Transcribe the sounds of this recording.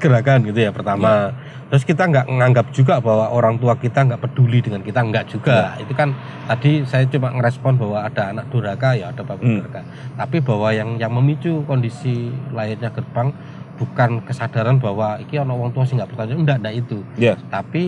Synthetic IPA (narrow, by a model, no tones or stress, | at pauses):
ɡəɾakanɡit̪ujapərt̪ama | t̪əɾʊskit̪aŋɡaʔŋaŋɡap̚d͡ʒuɡabawaʔoɾaŋt̪uakit̪aŋɡaʔpəd̥ulidəŋankit̪aŋɡaʔd͡ʒ̥uɡaḭt̪ukan | t̪adisajat͡ʃumaʔŋəɾɛspɔnbawaːd̥aːnak̚d̥oɾakajaad̥apabədɾka | t̪apibawajaŋjaŋməmit͡ʃukɔndisilajat̪ɲaɡ̥ərb̥aŋ | b̥ukankəsad̥aɾanbawaikiɔnawaŋt̪uasɪhŋɡaʔpərt̪aɲandaʔndaʔit̪ut̪api